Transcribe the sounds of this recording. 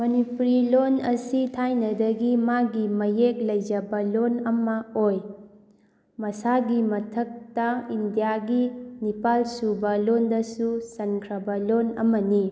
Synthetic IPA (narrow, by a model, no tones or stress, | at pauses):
mɐnipuɾilonɐsitʰajnɐdɐɡimaɡimɐjek̚lɐjd͡ʒɐbɐlonɐmɐoj | mɐsaɡimɐtʰɐk̚tɐindijaɡinipalsubɐlondɐsusɐnkʰɾɐbɐlonɐ̰mɐni